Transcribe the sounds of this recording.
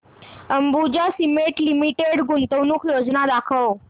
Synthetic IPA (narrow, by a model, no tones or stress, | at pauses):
əmbud͡ʑasimeʈlimiʈeɽɡunt̪əwnuːkʰjod͡znad̪akʰəw